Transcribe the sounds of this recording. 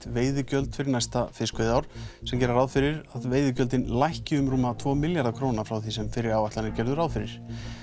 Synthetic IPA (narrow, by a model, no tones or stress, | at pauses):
t̪veːjðʏcœlt̪fɪɾnajst̪afɪskvejðawɾ̥sɛmcɛɾaɾaːðfɪɾɪɾaðveːjðʏcœlt̪ɪnlajhcɪʏmɾuːmːat̪ʰvɔːmɪljaɾðakʰɾownafɾawθisɛmfɪɾɪɾawaht̪lanɪɾcɛɾðʏɾaːwðfɪɾɪɾ̥